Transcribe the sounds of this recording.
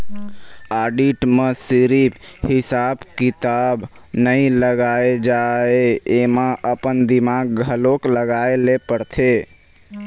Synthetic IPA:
aɖiʈmesiɾiphɪsabkit̪ab | nəĩləɡaed͡ʒaeemaʔəpənd̪imaɡ̚ɡʱəlokləɡaelepəɾt̪ʰe

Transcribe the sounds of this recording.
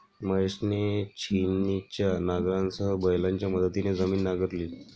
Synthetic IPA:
məeʂnet͡ɕʰinit͡ɕjanaɡɾansəɦəbəjlaɲt͡ɕjaməd̪ʱət̪ined͡zəmiːnːaɡəɾliː

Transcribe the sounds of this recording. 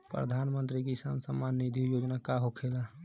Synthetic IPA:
pɾə̰d̪ʱanmə̃nt̪ɾik̬isansəmːanːid̪ʱijod͡ʒnakaɦokʰela

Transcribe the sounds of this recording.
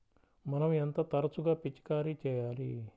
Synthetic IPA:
mɐnɐment̪ɐt̪ɐɾɐt͡ʃuɡaːpit͡ʃːi̥kaːɾit͡ʃɛːjaːlḭ

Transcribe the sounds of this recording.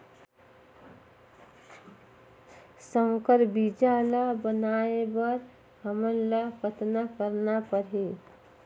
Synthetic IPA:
səŋkəɾbid͡ʒalabənaebəɾ | həmənlapət̪nakəɾnapəɾɦe

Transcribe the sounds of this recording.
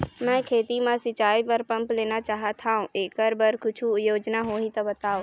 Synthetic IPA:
mɛ̃kʰeːt̪imãsɪt͡ʃaːipɐɾpɐ̃mpleːnat͡ʃaːɦat̪ʰaːũʔeːkəɾbɐɾkʊt͡ʃʰujoːd͡ʒnaɦoːɦĩt̪ɐbɐt̪aːoː

